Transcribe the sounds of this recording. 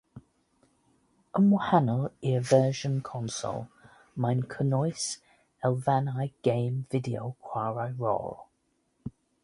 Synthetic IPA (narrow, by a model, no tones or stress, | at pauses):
əmɔhanəlˠiəvɛːʒənkʰɔnsɔ̰lˠ | majnkʰənɔjs | ɛlˠvanajɡ̥ẽːmvɪdio̰wkʰw̥aːɹajɹɔ̰ːlˠ